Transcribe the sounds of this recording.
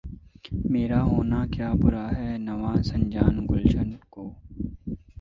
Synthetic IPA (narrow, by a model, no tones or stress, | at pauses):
meːɾaɦoːnakjaːbʊɾaɦɛnɐʋaːsɐ̃ɲd͡ʒaːnɡʊlʃənkoː